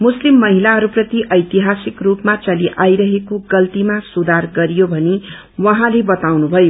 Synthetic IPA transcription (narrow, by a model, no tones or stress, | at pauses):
muslimːʌɦilaɦʌɾuprʌt̪iʔʌjt̪iɦasikrupmat͡sʌliʔajɾʌɦekoɡʌlt̪imasud̪arɡʌɾijobʱʌne | wʌɦãlebʌt̪awnubʱʌjo